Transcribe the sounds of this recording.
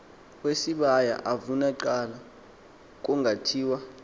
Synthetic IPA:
wesiɓaja̰ʔavunaǃala | k̬ʼuŋɡʱatʰiːwa

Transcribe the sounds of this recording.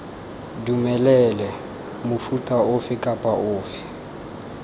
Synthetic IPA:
dumɛlɛlɛ | mʊfutʼaʊfɪkʼapʼaʔʊːfɪ̥

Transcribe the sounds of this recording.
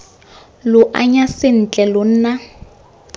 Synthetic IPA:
lʊʔa̰ɲasɪn̩t͡ɬʼɛlʊn̩ːna

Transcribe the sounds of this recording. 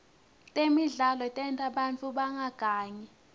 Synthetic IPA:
tʼemiɮalɔtʼɛntʼaɓant͡fʰʼuɓaŋʱaɡ̥ʱaːɲɛ

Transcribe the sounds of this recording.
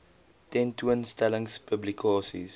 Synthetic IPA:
tɛ̃ntʰuə̃nstɛlə̃ŋspʰəblikʰɑːsḭz

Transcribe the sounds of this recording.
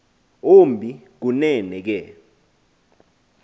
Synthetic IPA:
ombʱik̬unɛnɛk̬ɛ

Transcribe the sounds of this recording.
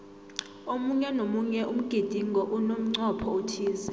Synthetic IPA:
omuɲɛnomuɲɛʔum̩ɡ̥ʱid̥ʱiŋɡʱɔʔunom̩ŋ͡ǀɔpʰɔutʰiːzɛ

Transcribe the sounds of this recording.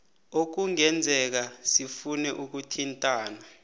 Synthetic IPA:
ok̬uŋɛnd͡zʱɛk̬asifunɛʔuk̬utʰintʼaːna

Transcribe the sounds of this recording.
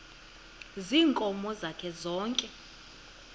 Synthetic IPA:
ziːŋkʼɔmɔzakʰɛzɔːŋkʼɛ

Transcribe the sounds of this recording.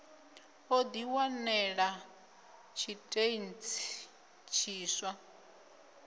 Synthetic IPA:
od̪iwanɛɺa | t͡ʃʰitʼeint͡sʰi | t͡ʃʰiːswa

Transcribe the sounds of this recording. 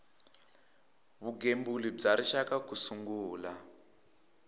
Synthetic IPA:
βuɡembulib͡ʐaɾiʃakakusuŋɡuːla

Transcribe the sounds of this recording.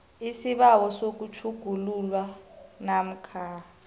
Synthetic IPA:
isiɓawɔsok̬ut͡ʃʰuɡ̥ʱululwanam̩kʰaː

